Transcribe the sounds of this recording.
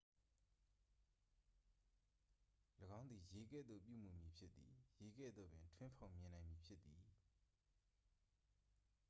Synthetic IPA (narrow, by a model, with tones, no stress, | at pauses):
ləɡã˦ʊ̃nd̪ði˨je˨˦ɡɛ̰˦˨d̪ðo̰˦˨p̬jṵ˦˨m̥u˨mji˨pʰjɪ˦t̪t̪ːi˨je˨˦ɡɛ̰˦˨d̪ðo̰˦˨bɪ̃˨ntʰwɪ̃˦mpʰõ˨ʊ̃mjɪ̃˨nã˨ɪ̃mji˨pʰjɪ˦t̪ːi˨